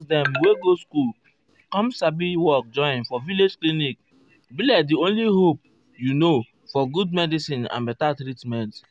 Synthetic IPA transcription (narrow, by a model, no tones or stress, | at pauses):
sdɛ̃mweɡoskul | kɔ̃msabiwɔk̚d͡ʒɔ̃ĩnfɔviled͡ʒklinik̚ | bilɛtdiõnliɦop̚ | juno | fɔɡud̚mɛdisĩnã̰nbɛtatɾitmɛ̃nt